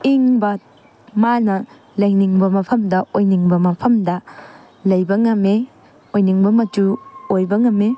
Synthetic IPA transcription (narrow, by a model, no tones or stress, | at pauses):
iŋbɐ | manɐ | lɐjniŋbɐmɐpʰɐmdɐʔojniŋbɐmɐpʰɐmdɐ | lɐjbɐŋɐme | ojniŋbɐmɐtuojbɐŋɐmːe